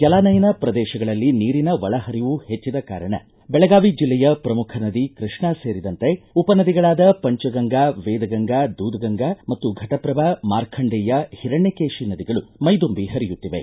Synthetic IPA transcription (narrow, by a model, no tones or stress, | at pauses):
kɛlaːnɐjɐnɐpɾɐd̪ɛːʃɐɡɐɭɐlːiniːɾinɐʋɐɭɐɦɐɾiʋuhet͡ʃːid̪ɐka̰ːɾɐɳɐ̰ | bɛɭɐɡaːʋid͡ʒilːɛjɐpɾɐmukʰɐnɐd̪ikɾiʂɳɐse̞ːɾid̪ɐnt̪e̞upɐnɐd̪iɡɐɭaːd̪ɐpɐɲt͡ʃɐɡɐŋɡaːʋeːd̪ɐɡɐŋɡaːd̪uːd̪ɐɡɐŋɡamɐt̪ːuɡʱɐʈɐpɾɐbaːmaːɾkʰɐɳɖɛːjɐhiɾɐɳːekeːʃinɐd̪iɡɐɭumɐjd̪umbihɐɾijut̪ːiʋḛ